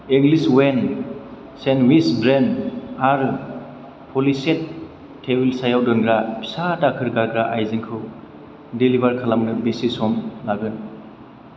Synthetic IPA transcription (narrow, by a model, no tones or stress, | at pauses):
iŋɡliswen | senwisbɾenaɾ | pʰoliset̚ʰː | ewilsajawdɔnɡɾapʰi̥satakʰɯɾɡaɡɾaʔajziŋkʰɯw | dilibaɾkʰalamnɯbesisɔmlaɡɯn